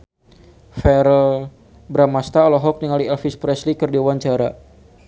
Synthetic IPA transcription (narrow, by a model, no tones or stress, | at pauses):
fɛɾəl | bɾamast̪aɔlɔɦɔk̚niŋaliɛlfispɾɛslikɨrdiwaɲt͡ʃaɾa